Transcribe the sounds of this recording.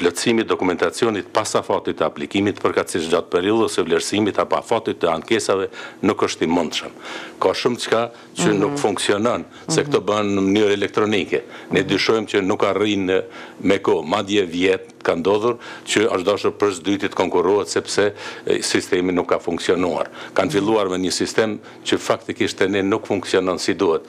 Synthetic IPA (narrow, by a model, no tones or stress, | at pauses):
plɔt̪simit̪̚d̪ɔkumɛnt̪at͡sjɔnit̪pasafat̪it̪əaplikimit̪pəɾkat̪siʃd̪at̪̚pɛɾilˠɛsɛvlɛɾsimit̪apɔa̰fat̪it̪ːəankɛsavɛnukəʃt̪imund̪ʃəmkɔʃumt͡ʃka | t͡ʃənukfuŋksjɔnɔn | sɛkt̪ɔbənːəmənyɾɛlɛk̚t̪ɾɔnikɛnɛd̪yʃɔjmt͡ɕənukːarinmɛkɔmad̪jɛvjɛt̪ | kand̪ɔðuɾcəaʃd̪aʃuɾpəɾsd̪yt̪it̪ə̥kɔŋkuɾuhɛt̪sɛpsɛsist̪ɛminukːafuŋksiɔnua̰ɾkanfilˠuaɾmɛɲəsist̪ɛm | cəfak̚t̪ikiʃt̪ɛnɛnukfuŋksijɔnɔnsid̪uhɛt̪̚